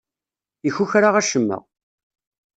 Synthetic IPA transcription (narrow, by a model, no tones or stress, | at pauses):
içuçɾaʁæʃəmːə̰ʁ